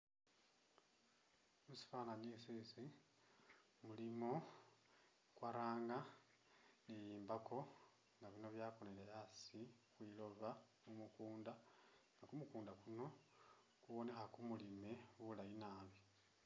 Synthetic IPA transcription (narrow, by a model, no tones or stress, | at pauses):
musi̥faːnaɲiːsisi | mulimo̞ | kwaɾaːŋɡa | nejiːmbako̞ | ŋɡaβino̞βjaːkonelejasixwilo̞βa | mumukuːndaŋɡakumukuːndakuno̞ | kuβo̞ne̞xakumulime̞wulajinaβi